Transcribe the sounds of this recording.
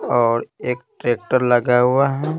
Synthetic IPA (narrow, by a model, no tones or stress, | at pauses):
ɔːɾeːk̚ʈɾeːk̚ʈəɾləɡaɦʊaɦɛ